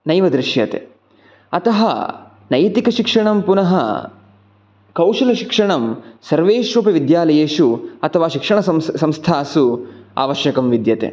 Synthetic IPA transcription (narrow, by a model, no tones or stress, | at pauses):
nɐjʋɐd̪ɾɪʃjɐt̪ḛ | ɐt̪ɐɦɐ̰ | nɐjt̪ikɐʃikʂɐɳɐmpunɐɦɐ̰ | kɐwʂɐlɐʃikʂɐɳɐmsɐɾʋeːʃuːpɐʋid̪jaːlɐjeːʃuɐt̪ʰɐʋaːʃikʂɐɳɐssɐmst̪ʰaːsua̰ːʋɐʃjɐkɐmʋid̪jɐt̪ḛ